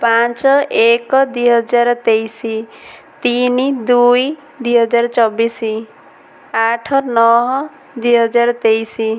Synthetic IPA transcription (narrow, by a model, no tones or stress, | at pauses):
pãt͡ʃɔekɔd̪ijɦɔd͡ʒaɾt̪ejsi | t̪inid̪uj | d̪wiɦʌd͡ʒaɾt͡ʃɔbisi | aʈʰɔnɔɦɔ | d̪ijɦʌd͡ʒaɾt̪ejsi